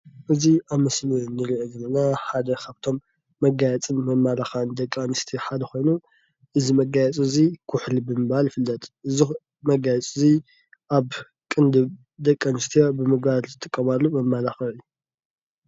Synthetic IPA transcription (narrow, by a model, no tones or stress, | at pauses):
ʔɨziaβmɐslɨnɨɾɨʔɡɨlɨnaħad̪ɐkʰaβt̪ʰo̞mː | ɐɡajɛt͡sʼɨnːɐmːalaxand̪ɐkʼːanɨst̪ʰiħad̪ɐxo̞jnu | ʔɨzimɐɡajɛt͡sʼɨzikʰʊħlibɨmɨβalfɨlːɐt̪ʼʔɨzi | mɐɡajɛt͡sʼɨzi | ʔaβ | kʼɨnd̪ɨβ | d̪ɐkʼːanɨst̪ʰijobɨmɨɡbalzɨt̪ʰːɨkʼːɐβalumɐmːalaxɐɨjːu